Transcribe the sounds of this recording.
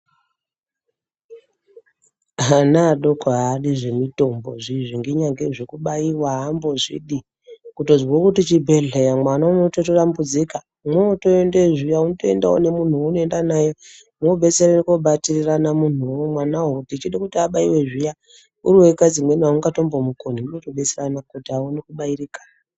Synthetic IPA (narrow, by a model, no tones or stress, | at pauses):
ɦanaːɗokʰaɦaɗiʐe̞mito̞mbo̞̰ʐiʐiŋɡeɲaŋɡeʐekuɓaiwaɦambo̞ʐḭɗi | kuto̞zwokutit͡ʃibʱe̞ɮejamwanaomototorambud͡zika | mwoto̞endeʐijaunotoenda̰o̰ne̞mun̤uunoe̞ndanaje | moɓe̞seɾenekoɓatiriranamun̤uomwanaɦotit͡ʃiɗakutiaɓaiwe̞ʐija | uɾiwe̞kad͡zimwe̞niwauŋɡato̞mbomukoniunotoɓe̞seranakutiawonekuɓairikḁ